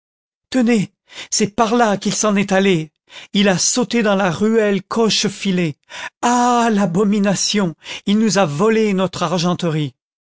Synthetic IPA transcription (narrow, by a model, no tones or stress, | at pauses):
t̪əne | sɛpaʁlakilsɑ̃nɛt̪ale | ilasot̪ed̪ɑ̃laʁyɛlkʰɔʃfilealabɔminasjɔ̃ilnuzavɔlenɔt̪χaʁʒɑ̃t̪əʁi